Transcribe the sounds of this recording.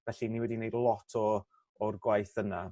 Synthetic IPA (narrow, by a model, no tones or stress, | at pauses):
vɛɬiniwɛdinejdlˠɔtʰɔː | rɡwajθəna